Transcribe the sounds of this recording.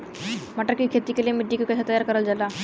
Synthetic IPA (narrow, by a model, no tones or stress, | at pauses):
m̤aʈəɾkikʰet̪ikelemiɖːikikəsat̪əjaɾkəɾəld͡zala